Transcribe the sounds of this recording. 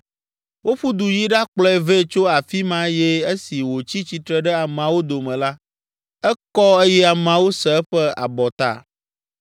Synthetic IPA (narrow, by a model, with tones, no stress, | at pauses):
wo˦ɸu˦d̪u˨ji˦ɖa˦k͡plɔ˦ɛ˦˨ve˦t͡ʃo˦a˨fi˦mã˦jɛ˦e˦si˨wo˨t͡ɕi˦t͡ɕi˨t̪ɾɛ˦˨ɖɛ˦a˨mã˨wo˦d̪o˨mɛ̃˨la˦ | ɛ˦kɔ˦e˦jɛ˦a˨mã˨wo˦sɛ˨˦ɸɛ˦a̰˨bɔ˨t̪a̰˦˨